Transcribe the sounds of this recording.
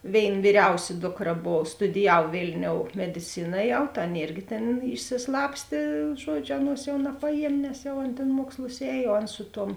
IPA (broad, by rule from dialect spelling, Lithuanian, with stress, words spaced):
ˈʋʲeːɪn ʋʲiːˈrʲɛʊsʲɪ ˈdoːkˌrɐ ˈboːw stʊdʲɪˈjɛw ˈʋʲeːlʲnʲoːʊ mʲɛdʲɪˈt͡sʲɪnɐ ˈjɛʊ tɐ ˈɑːˌnɐ ˈeːrʲɡʲɪ tʲeːn ɪʃʲsʲɪˈslˠɑːpʲsʲtʲeː ˈʒuɔdʲˌʒʲʊ ˈɑːˌnuɔs jɛʊ nɐpɐˈjiɛmʲ nʲɛs jɛʊ ˈɐn tʲeːn ˈmuɔkslˠʊs ˈɛːj oː ˈɐn ˈsʊ ˌtuɔm